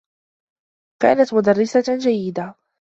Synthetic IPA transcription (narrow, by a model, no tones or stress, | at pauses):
ka̰ːnat̪mʊd̪arːɪsad͡ʒajːɪd̪a